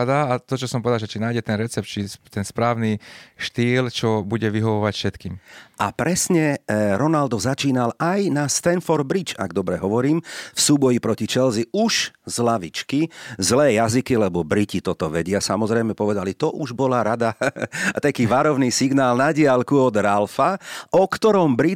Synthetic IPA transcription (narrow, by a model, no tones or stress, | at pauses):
d̪aːt̪ɔt͡ʃɔsɔmpɔʋɛd̪alʒɛt͡ʃinaːjɟɛt̪ɛnɾɛt͡sɛp̚t̪t͡ʃit̪ɛnspɾaːʊniʃt̪iːlt͡ʃɔbuɟɛʋiɦɔʋɔʋacfʃɛt̪kiːmʔapɾɛsɲɛɾɔnald̪ɔzat͡ʃiːnalajnast̪ɛnfɔɾd̪̚bɾit͡ʃa̰ɡd̪ɔbɾɛɦɔʋɔɾiːmfsuːbɔjipɾɔcit͡ʃɛlziuʃzlaʋit͡ʃkizlɛːjazikilɛbɔbɾicit̪ɔt̪ɔʋɛɟɪasamɔzɾɛjmɛpɔʋɛd̪alit̪ɔʔuʒbɔlaɾad̪at̪akiːʋaɾɔʊniːsiɡnaːlnaɟɪalkuɔd̪ɾalfaʔɔkt̪ɔɾɔmbɾi